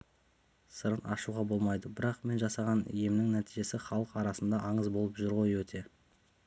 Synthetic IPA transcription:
səɾənɑʃuʁɑbo̞lˠmɑjd̪əbɪɾɑqme̞nʒɑsɑʁɑnḭje̞mnɪŋnæt̪ijʒe̞sɪχɑlˠəqɑɾɑsənd̪ɑʔɑɴəzbo̞lˠəpʒʏɾʁo̞jəwɵt̪ʰe̞

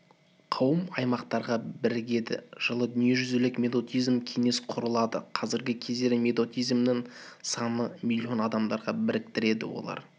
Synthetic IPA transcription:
qʰɑwəmɑjmɑqt̪ɑɾʁɑbɪɾɪɡʲe̞d̪ɪ̰ʒ̥əlˠəd̪ʏnije̞ʒʏzelɪkmʲe̞d̪o̞t̪ijzmkʲʰe̞ŋe̞sqʰʊɾəlˠɑd̪ə̰qʰɑzɪɾɡʲɪkʲʰe̞zd̪e̞ɾɪmʲe̞d̪o̞t̪ijzmnɪŋsɑnəmʲilʲːio̞nɑd̪ɑmd̪ɑɾʁɑbɪɾɪk̚t̪ɪɾe̞d̪ɪ̰wo̞̰lˠɑ̰ɾ

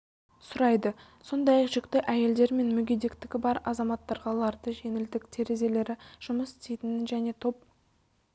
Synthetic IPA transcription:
sʊɾɑjd̪ə | so̞nd̪ɑjɑqʒ̥ɪkt̪ɪʔæje̞ld̪e̞ɾme̞nmɵɡʲed̪e̞kt̪ɪkʲɪbɑɾɑzɑmɑt̪ːɑɾʁɑlˠɑɾd̪əʒe̞ŋɪld̪ɪkt̪ʰe̞ɾe̞ze̞le̞ɾɪʒ̥ʊməsɪ̥t̪ejt̪ɪnɪʒæne̞t̪ʰo̞p̚

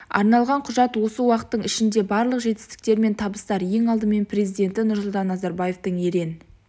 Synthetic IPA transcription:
ɑ̰ɾnɑlˠʁɑɴqʰʊʒɑt̪wo̞səwɑqə̥t̪ːəɴɪʃɪnd̪e̞bɑɾlˠəqʒe̞t̪ɪ̥st̪ɪ̥k̚t̪e̞ɾme̞nt̪ʰɑbəst̪ɑɾje̞ŋɑlˠd̪əme̞npʰɾe̞zijd̪e̞nt̪ɪnʊɾsʊlˠt̪ɑnːɑzɑɾbɑje̞ft̪əɴeɾe̞nɪ

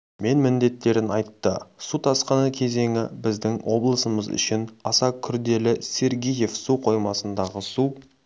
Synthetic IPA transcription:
me̞nmɪnd̪e̞t̪ːe̞ɾɪnɑjt̪ːəsut̪ʰɑsqənəkʲʰe̞ze̞ŋɪbɪzd̪ɪŋwʔo̞blˠəsəməzʏ̰ʃɪnɑsɑkʲʰʏɾd̪e̞lɪse̞ɾɡʲije̞fsuqʰo̞jmɑsənd̪ɑʁəsu

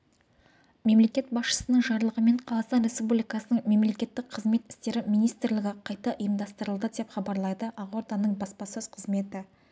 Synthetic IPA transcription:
me̞mle̞kʲe̞t̪̚bɑsʃə̥sənəɴʒɑɾlˠəʁəme̞ɴqʰɑlˠɑst̪ɑnɾʲe̞spublʲijkɑsənəɴme̞mle̞kʲe̞t̪ːɪk̚qʰəzme̞t̪ɪ̥st̪e̞ɾɪmijnijst̪ɪɾlɪɡʲɪqʰɑjt̪ɑʔəjəmd̪ɑst̪əɾəlˠd̪əd̪e̞pχɑbɑɾlˠɑjd̪əʔɑʁwo̞ɾd̪ɑnːəɴbɑspɑsɵz̥qʰəzme̞t̪ɪ

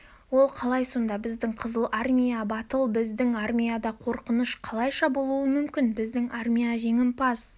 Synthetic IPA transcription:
wo̞lˠqʰɑlˠɑjso̞nd̪ɑbɪzd̪ɪɴqʰəzəlˠʔarmʲijabɑt̪əlˠbɪzd̪ɪŋarmʲijad̪ɑqʰo̞ɾqənəʃqʰɑlˠɑjʃɑbo̞lˠuəmʏmkʲɪnbɪzd̪ɪŋarmʲijaʒe̞ŋɪmpʰɑs

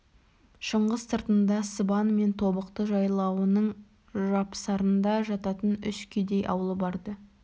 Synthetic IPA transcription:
ʃəɴʁəzsəɾt̪ənd̪ɑsəbɑnme̞nt̪ʰo̞bəqt̪əʒɑjlˠɑwənəɴ | ʒɑpsɑɾənd̪ɑʒɑt̪ɑt̪ənʏʃkʲʰed̪e̞jʔɑ̰wəlˠəbɑɾd̪ə

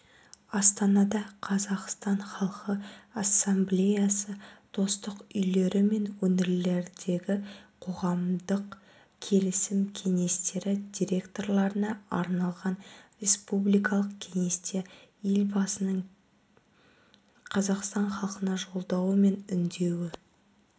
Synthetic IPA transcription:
ɑst̪ɑnɑd̪ɑqʰɑzɑqst̪ɑɴχɑlˠqəasːemblʲe̞jasəd̪̥o̞st̪əqʏjle̞ɾɪme̞nwɵnɪɾle̞ɾd̪e̞ɡʲɪqʰo̞ʁɑmd̪əq | kʲʰe̞lɪsɪmkʲʰe̞ŋe̞st̪e̞ɾɪd̪ʲiɾʲe̞kt̪o̞rlˠɑɾənɑɑ̰ɾnɑlˠʁɑnrʲe̞spublijkɑlˠəqkʲʰe̞ŋe̞st̪ejelbɑsənəɴ | qʰɑzɑqst̪ɑɴχɑlˠqənɑʒo̞lˠd̪ɑwəme̞nʏnd̪e̞wɪ

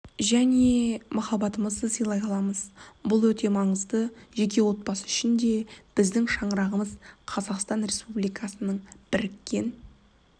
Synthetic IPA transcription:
ʒæne̞mɑχɑbɑt̪əməzd̪əsəjlˠɑjɑlˠɑməzbʊlˠwɵt̪e̞mɑɴəzd̪əʒe̞kʲe̞wo̞t̪̚bɑsəɪʃɪnd̪e̞b̥ɪzd̪ɪŋʃɑɴəɾɑʁəməzqʰɑzɑqst̪ɑnɾe̞spublijkʰɑsənəɴb̥ɪɾɪkʲːe̞n

